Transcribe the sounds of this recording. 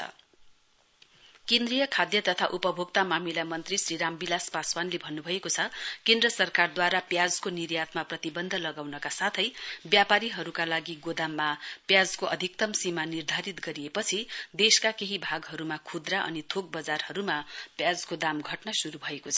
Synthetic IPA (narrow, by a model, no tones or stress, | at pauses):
ʌ̰ | kẽnd̪rijʌkʰad̪jʌt̪ʌt̪ʰaʔupʌbʱoɡ̚t̪amamilamʌnt̪risriɾambilaspaswanlebʱʌnːubʱʌekot͡sʰʌkẽnd̪rʌsʌrkard̪waɾapjad͡zkonirjat̪maprʌt̪ibʌnd̪ʱʌlʌɡawnʌkasat̪ʰʌjbjapaɾiɦʌɾukalaɡiɡod̪amːapjad͡zkoʔʌd̪ʱik̚t̪ʌmsimanird̪ʱaɾit̪ɡʌɾijepʌt͡sʰid̪eskakeɦibʱaɡɦʌɾumakʰud̪raʔʌ̰nit̪ʰok̚bʌd͡zarhʌɾumapjad͡zkod̪amɡʱʌʈnʌsuɾubʱʌekot͡sʰʌ